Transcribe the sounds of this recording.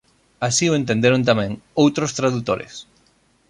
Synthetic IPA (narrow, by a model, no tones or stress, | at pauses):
asioent̪ẽnd̪eɾont̪amɛ̃ŋowt̪ɾost̪ɾaðut̪oɾḛs